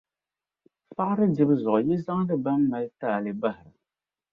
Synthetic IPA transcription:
fa˦ʔɾɨ˦dɪ˦bɨ˦zɔ˨ʔji˦za˦ŋ˦ɾɨ˦ba˦mːa˨˦ltaː˦˨lɨ˨ba˦hɪ˨ɾa˨

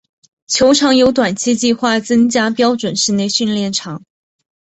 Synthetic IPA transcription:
t͡ɕʰjo˧˥ʊʈ͡ʂʰɑ˧˥ŋjo˧˥ʊt̪wa˨˩nt͡ɕʰi˥˧t͡ɕi˥˧xwa˥˩t͡sɤ˥ŋt͡ɕja˥pjɑ˥ʊʈ͡ʂwə˨˩nʂɻ̩˥˧ne˥˧ɪɕy˥˧nljɛ˥˩nʈ͡ʂʰɑ˨˧˥ŋ

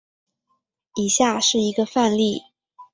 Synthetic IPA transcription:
i˨˩ɕja˥˧ʂɻ̩˥˩i˧˥ɡə˧fa˥˧nli˥˩

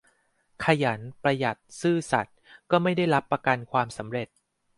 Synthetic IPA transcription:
kʰa˧ja˩˦npɾa˧ja˨˩t̪̚sɯː˥˩sa˨˩t̪̚kɔː˥˩ma˥˩jda˥˩jɾa˦˥pːa˧ka˧nkʰwaː˧msa˩˦mɾe˨˩t̪̚

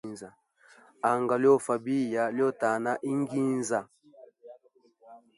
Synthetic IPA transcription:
nza˨ | a˨ŋɡa˨ljɔ˦˨fa˨bi˦ja˨ljɔ˦˨ta˨na˦ʔi˦ŋ˦ɡi˦n˦za˨

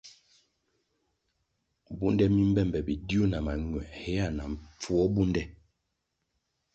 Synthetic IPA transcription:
bu˦ndɛ˦mi˦m̩˦bɛ˦˨m˨bɛ˨bi˨di˦u˦˨na˨ma˨ŋ˨ɛ˨hɛ˦a˦˨na˨ɱ˨p͡fu˦ɔ˦bu˦ndɛ˦

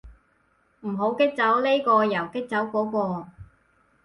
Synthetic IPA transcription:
m̩˨˩ɦo˨˥wkɪ˥k̚t͡sɐ˨˥wle˥jkɔː˧jɐ˨˩wkɪ˥k̚t͡sɐ˨˥wkʷɔː˨˥kɔː˧

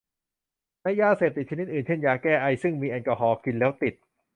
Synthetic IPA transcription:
na˧˥jːaː˧seː˨˩p̚t̪i˨˩t͡ɕʰa˧ni˦˥t̪̚ʔɯː˨˩nt͡ɕʰe˥˩njaː˧˩kɛː˥˩ʔa˧jsɯ˥˩ŋmiː˧ʔɛ˧nkɔ˧ɦɔː˧kʰi˧nlɛː˦˥wt̪i˨˩t̪̚

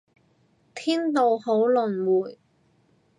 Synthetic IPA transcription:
t̪ʰiː˥nt̪o˨who˨˥wlɵ˨˩nwuː˨˩j

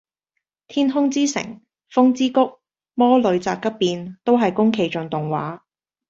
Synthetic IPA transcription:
t̪ʰiː˥nɦʊ˥ŋt͡siː˥sɪ̰˨˩ŋ | fʊ˥ŋt͡siː˥kʊ˥k̚ | mɔː˥lɵ˨˧ɥt͡saː˧p̚kːɐ˥p̚ːiː˨nt̪o˥wɦɐ˨jkʊ˥ŋkʰe˧jt͡ʃɵ˨˧ŋt̪ʊ˨ŋwa̰ː˨˥

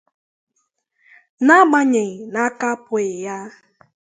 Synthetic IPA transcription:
na˦ma˦ɲe˨ŋ̩˨na˦ka˦pʊ˦ɪ˨ja˦

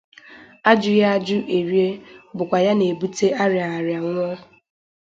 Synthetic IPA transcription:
a˦d͡ʒʊ˦ja˦a˦d͡ʒʊ˦ʔe˨ɾje˦bʊ˨kʷa˨ja˦ne˨bu˦te˦a˦ɾja˨a˨ɾja˨ŋʷ˦ɔ˦

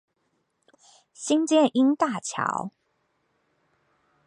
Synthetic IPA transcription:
ɕi˦˥ŋt͡ɕjɛ˥˩nʔi˦˥nt̪a˥˨t͡ɕʰjɑ̰˨˦ʊ

